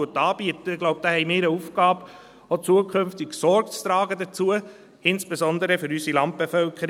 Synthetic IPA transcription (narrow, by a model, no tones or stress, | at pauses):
ʊtɑːb̥iətəɪɡlɔʊp̚d̥̪aːhɛɪmɪːɾəufkɑːb | ot͡suəkʰɵmft̪ɪɡsɔɾɡt͡st̪ɾɑːɡəd̪ət͡suə | ɪnsb̥esɔnd̪əɾəfʏɾysilɑmt̚b̥efœlkʰəɾ